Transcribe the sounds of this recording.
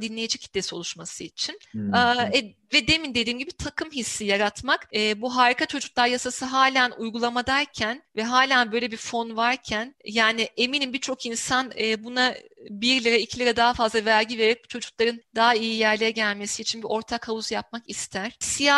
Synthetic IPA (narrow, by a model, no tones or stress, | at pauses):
d̪inlʲe̞jed͡ʒɛchʰit̪ːesio̞lˠuʃmasɯit͡ʃʰinː | ɛ | vɛd̪e̞mind̪e̞d̪iːmɟibit̪ʰakʰɯmɦisːijaɾat̪makɛbuɦaːɾikʰat͡ʃʰo̞d͡ʒuklˠaɾjasasɯɦaːlʲanujɡulˠamad̪aɾcʰænvɛɦaːlʲanbøjlʲebiɾfo̞nvaɾcʰænjaːnɪʔeminimbit͡ʃʰo̞kinsanɛːbunabiɾlʲiɾaicʰilʲiɾad̪aɦafazlˠavæɾʲɟive̞ɾeɾɛbut͡ʃʰo̞d͡ʒuklˠaɾɯnd̪aːaijijæɾlʲejɛɟælʲme̞siiːt͡ʃʰinbio̞ɾt̪ʰakʰavuzjap̚makist̪ʰæɾ̥sija